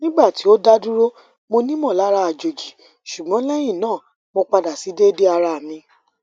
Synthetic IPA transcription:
nĩ˦ɡ͡ba˦˨ti˨˦o˦da˦du˦ɾo˦ | mo˧nĩ˦mɔ̃˦˨la˨˦ɾa˧˦a˨d͡ʒo˨d͡ʒi˨ | ʃu˨ɡ͡bɔ̃˨˦lɛ˦j̃ĩ˦˨nãː˦˨ | mo˧k͡pa˧da˨si˨˦de˦de˦a˧ɾa˧a˨mĩ˧˦

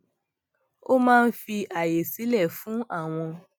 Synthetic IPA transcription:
o˦mãː˦˧n̩˦fi˧ʔa˨je˨si˨˦lɛ˦˨fũ˨˦a˦˨w̃ɔ̃˧

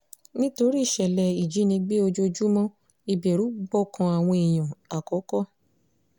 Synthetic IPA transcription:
nĩ˦to˧ɾi˦i˦˨ʃɛ˨lɛ˨i˨d͡ʒi˨˦nĩ˧ɡ͡be˦o˧d͡ʒo˧d͡ʒu˦mɔ̃˦ | i˨bɛ˨ɾu˨˦ɡ͡bɔ˦kã˧a˨w̃ɔ̃˧i˨j̃ã˨a˨kɔ˨˦kɔ˦

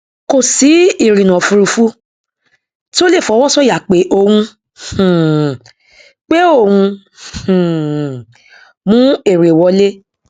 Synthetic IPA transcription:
ko˨si˨˦i˦˨ɾĩ˨nã˨fu˧ɾu˧fu˦ | ti˦o˦le˦˨fɔ˨˧˦wɔ˦sɔ˦˨ja˨k͡pe˨˦ʔo˦˨hũ˧˨ | k͡pe˦o˦˨wũ˧ | ũ˨ | mũ˦e˦˨ɾe˨wɔ˧le˦

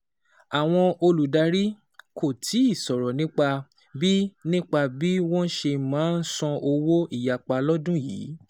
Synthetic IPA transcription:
a˨w̃ɔ̃˧o˧lu˨da˧ɾi˦ | ko˨tʰi˨˦i˦˨sɔ˨ɾɔ˨nĩ˦k͡pa˧ | bi˦nĩ˦k͡pa˧bi˦wɔ̃˦n˦ʃe˧mãː˨˦n̩˦sɔ̃˧ʔo˧wo˦i˦˨ja˨k͡pa˧lɔ˦dũ˦jḭː˨˦

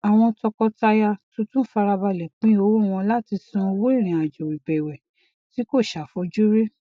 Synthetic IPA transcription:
a˨w̃ɔ̃˧tɔ˧kɔ˧ta˧ja˧tũ˨˦tũ˦fa˧ɾa˧ba˧lɛ˨k͡pĩ˦o˧˦wo˦˨w̃ɔ̃˧la˦ti˧sũ˧o˧wo˦i˦˨ɾ̃ĩ˨a˨d͡ʒɔ˨wi˨bɛ˨wɛ˨ | ti˨˦ko˦˨ʃa˨fɔ˧˦d͡ʒu˦ɾe˦

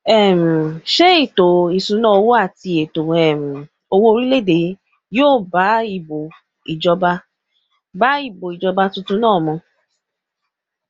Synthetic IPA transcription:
ɛ˨m̩˨ʃe˦i˦˨to˨i˨sũ˨˦nãː˦o˧wo˦a˦˨ti˧e˨to˨ɛ˨m̩˨ | o˧wo˦o˧ɾi˦le˦˨de˨˦ | joː˦˨ba˨˦i˦˨bo˨ | i˨d͡ʒɔ˧ba˧ | ba˨˦i˦˨bo˨i˨d͡ʒɔ˧ba˧tũ˧tũ˧˦nãː˦˨mɔ̃˧

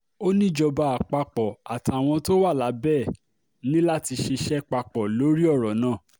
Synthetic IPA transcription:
o˦nĩ˦˨d͡ʒɔ˧ba˧˨a˨k͡pa˧k͡pɔ˨a˨ta˨w̃ɔ̃˧to˦wa˦˨la˨˦bɛː˦˨ | nĩ˦la˦ti˧ʃe˧ʃɛ˦k͡pa˧k͡pɔ˨lo˨˦ɾi˦ɔ˦˨ɾɔ˨nãː˦˨

